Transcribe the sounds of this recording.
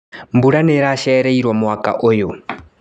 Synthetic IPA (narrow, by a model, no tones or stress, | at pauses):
mbuɺanɛɾaʃaɛɾeiɾwamuwakʼa̰ʔojo